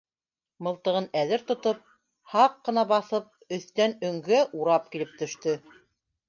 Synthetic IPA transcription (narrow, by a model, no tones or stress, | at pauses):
mɤ̆lˠt̪ɤ̆ʁɤnæðɘɾt̪ŏt̪ɤp̚ | hɑqːɤ̆nɑbɑθɤp̚ɵ̆θt̪ænɵ̆ŋɡæʔuɾɑp̚kilɘp̚t̪ɵ̆ʃt̪ɵ